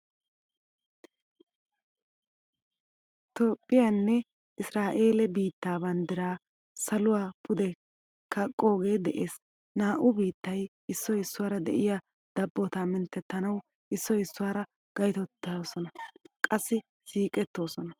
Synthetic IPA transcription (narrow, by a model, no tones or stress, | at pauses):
t̪oːpʼːɪjɐnːɛ | ʔɪsɾaːʔe̞ːlɛbiːt̪ːaːbɐnd̪ɪɾaː | sɐlʊwaːpʰʊd̪ɛ | kɐkʼːo̞ːɡe̞ːd̪ɛʔe̞ːs | naːʔʊbiːt̪ːɐj | ɪsːɔɪsːʊwaːɾɐd̪ɛ̰ʔɪja | d̪̥ɐbːɔt̪aːmɪnt̪ːɛt̪ːɐnɐw | ʔɪsːɔɪsːʊwaːɾɐ | ɡ̥ɐjt̪ɔt̪ːɐsɔnɐkʼɐsːɪ | siːkʼɛt̪ːo̞ːsɔnɐ